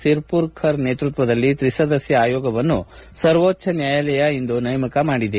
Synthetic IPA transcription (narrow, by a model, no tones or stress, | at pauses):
siɾpuɾkʰɐɾne̞ːt̪ɾut̪ʋɐd̪ɐlːit̪ɾisɐd̪ɐsjɐaːjɔːɡɐʋɐnːṵ | sɐɾʋoːtːt͡ʃʰɐnjaːjɐlɛjɐind̪unɐjɐmɐkɐmaːɽid̪e